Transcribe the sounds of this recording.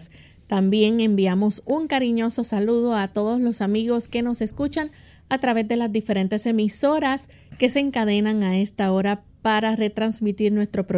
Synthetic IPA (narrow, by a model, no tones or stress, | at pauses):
t̪ambje̞ŋe̞mbiamo̞suŋkaɾiɲo̞so̞saluðo̞at̪o̞ðo̞slo̞samiɣo̞ske̞no̞se̞skut͡ʃaŋ | at̪ɾaβe̞zd̪e̞lazd̪ife̞ɾe̞nt̪e̞se̞miso̞ɾas | ke̞seːŋkaðe̞naŋae̞st̪ao̞ɾa | paɾare̞t̪ɾansmit̪iɾnwe̞st̪ɾo̞pɾo